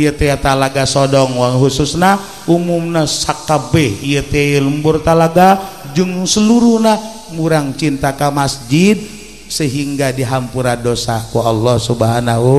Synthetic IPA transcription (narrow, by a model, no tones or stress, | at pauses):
ijət̪ejat̪alaɡasodɔŋwaŋɦususna | ʔumumnasakːabɛhijət̪eajələmbʊrt̪alaɡad͡ʒəŋsəluɾuhna | muɾaŋt͡ʃint̪akamasd͡ʒid̪̚ | səɦiŋɡadiɦampuɾadosakualːɔhsubɦanaɦu